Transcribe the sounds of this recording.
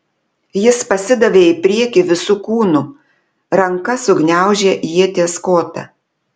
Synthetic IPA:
jɪspɐsʲɪd̪ɐʋʲeːɪpʲɾʲiɛkʲiʋʲɪsuːkuːnʊ | ɾɐŋkɐsʊɡnʲæˑʊʒʲeːjiɛt̪ʲeːskoːt̪ɐ̰

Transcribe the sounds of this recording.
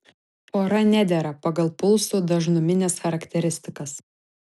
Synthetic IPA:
poːɾɐnʲæd̪ʲɛɾɐpɐɡɐlˠpʊlˠsuːd̪ɐʒnʊmʲɪnʲɛsxɐɾɐkʲt̪ʲɛɾʲɪsʲt̪ʲɪkɐs

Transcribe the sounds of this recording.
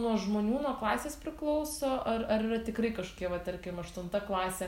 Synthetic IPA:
nuɔʒmoːnʲuːnuɔklˠɑːsʲeːspʲɾʲɪklˠɐʊsoːʔɐɾɐɾirɐt̪ʲɪkɾɐɪkɐʃo̥kʲiɛʋɐt̪ɐɾʲkʲɪmɐʃt̪ʊnt̪ɐklˠɑːsʲe

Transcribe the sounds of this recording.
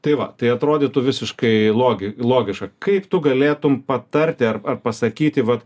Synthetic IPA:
t̪ɐɪʋɐ̰t̪ɐɪɐt̪ɾoːd̪ʲet̪ʊʋʲɪsʲɪʃkɐɪlˠoːɡʲɪlˠoːɡʲɪʃkɐkɐɪpt̪ʊɡɐlʲeːt̪ʊmpɐt̪ɐrʲt̪ʲɪɐrɐrpɐsɐkʲiːt̪ʲɪʋɐt̪

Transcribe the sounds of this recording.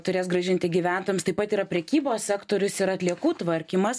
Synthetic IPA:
t̪ʊɾʲeːs̬ɡɾɐʒʲɪnʲt̪ʲɪɡʲiːʋʲæˑnt̪oːjɛmst̪ɐɪpɐt̪iːɾɐpʲɾʲɛkʲiːboːsʲsʲæːkt̪oːɾʲʊsɪɾɐt̪ʲlʲiɛkuːt̪ʋɐɾʲkʲiːmɐs

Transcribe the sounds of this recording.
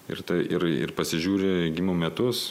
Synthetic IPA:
ɪ̰rt̪ɐɪʔɪɾɪ̰rpɐsʲɪʒʲuːɾʲɪɡʲimomʲɛt̪ʊs

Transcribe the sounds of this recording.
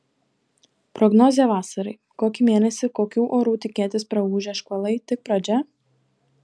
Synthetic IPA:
pɾɔɡnɔːzʲeɛʋɑːsɐɾɐɪ | koːkʲimʲeːnʲɛsʲɪkoːkʲuːʔoːɾuːt̪ʲɪkʲeɛt̪ʲɪspɾɐuːʒʲɛːʃkoːlˠɐɪt̪ʲɪk̚pɾɐd͡ʒʲɛ

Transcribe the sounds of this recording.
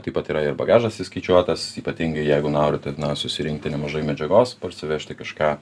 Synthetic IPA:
t̪ɐɪpɐt̪iːɾɐɪɾbɐɡɑːʒɐsʲɪsʲkɐɪt͡ʃʲuɔt̪ɐsiːpɐt̪ʲiŋɡɐɪjɛɪɡʊnoːɾʲʊt̪ʲɛnɐsʊsʲɪɾʲɪŋk̚t̪ʲɪnʲɛmɐʒɐɪmʲɛd͡ʒʲɛɡoːspɐɾʲsʲɪʋʲɛʃʲt̪ʲɪkɐʃkɑː

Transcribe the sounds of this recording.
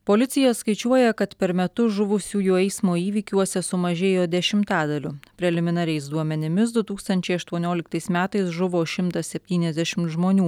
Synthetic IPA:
poːlʲɪt̪sʲɪjɛskɐɪt͡ʃʲuɔjɛkɐt̪pʲɛɾmʲɛt̪ʊʒʊʋʊsʲuːjuːɛɪsmoːiːʋʲiːkʲuɔsʲɛsʊmɐʒʲeːjoːd̪ʲɛʃʲɪmt̪ɑːd̪ɐlʲʊpʲɾʲɛlʲɪmʲɪnɐɾʲɛɪsd̪uɔmʲɛnʲɪmʲɪsd̪ʊt̪uːkst̪ɐnʲt͡ʃʲɛɪɐʃt̪uɔnʲoːlʲɪkt̪ɐɪsmʲæːt̪ɐɪsʒʊʋoːʃʲɪmt̪ɐsʲɛpʲt̪ʲiːnʲɛzd̪ʲɛʃʲɪmt̪ʒmoːnʲuː

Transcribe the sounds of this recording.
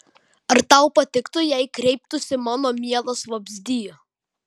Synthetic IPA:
ɐɾt̪ɐʊpɐt̪ʲɪkt̪ʊjɛɪkɾʲɛɪp̚t̪ʊsʲɪmɑːnoːmʲiɛlˠɐsʋɐbʲzʲd̪ʲiːjʊ

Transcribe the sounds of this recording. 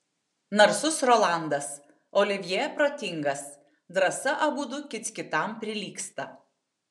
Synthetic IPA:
nɐɾsʊsɾɔːlˠɑˑnd̪ɐs | ɔːlʲɪʋʲjɛːjɛpɾoːt̪ʲɪŋɡɐs | d̪ɾɐsɐʔɐɡuːd̪ʊkʲɪt̪ʲkʲɪt̪ɐˑmpʲɾʲɪlʲiːkst̪ɐ

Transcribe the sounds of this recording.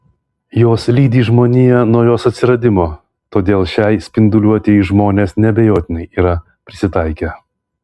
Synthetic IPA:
joːslʲiːd̪ʲiːʒmoːnʲijɛnuɔjoːsɐt̪ʲsʲɪɾɐd̪ʲɪmoː | t̪oːd̪ʲeːlˠʃʲɛɪsʲpʲɪnd̪ʊlʲuɔt̪ʲɛʒmoːnʲeːsnʲɛbʲejoːt̪ʲɪnɐɪʔiːɾɐ | pʲɾʲɪsʲɪt̪ɐɪkʲɛ

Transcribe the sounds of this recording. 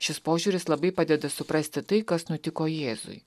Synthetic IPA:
ʃʲɪspoːʒʲuːɾʲɪslˠɐbɐɪpɐd̪ʲɛd̪ɐsʊpɾɐsʲt̪ʲɪt̪ɐɪkɐsnʊt̪ʲɪkoːjeːzʊ̰ɪ

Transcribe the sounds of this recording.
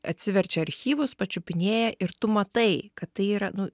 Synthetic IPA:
ɐt̪ʲsʲɪʋʲɛɾʲt͡ʃʲɛɐɾʲxʲiːʋʊspɐt͡ʃʲʊpʲɪnʲeːjɛʔɪɾt̪ʊmɐt̪ɐɪkɐt̪t̪ɐɪiːɾɐnʊ

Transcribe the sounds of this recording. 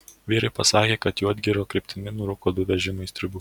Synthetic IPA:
ʋʲiːɾɐɪpɐsɑːkʲeːkɐt̪juːɐd̪ʲɡʲɪɾoːkɾʲɪpʲt̪ʲɪnʲɪnʊɾʊkoːd̪ʊʋʲɛʒʲɪmʊɪst̪ʲɾʲʊbuː

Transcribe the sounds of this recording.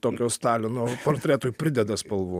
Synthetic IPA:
t̪oːkʲoːst̪ɑːlʲonuɔpoːɾʲt̪ʲɾʲæːt̪oːjpʲɾʲɪd̪ʲɛd̪ɐspɐlˠʋuː

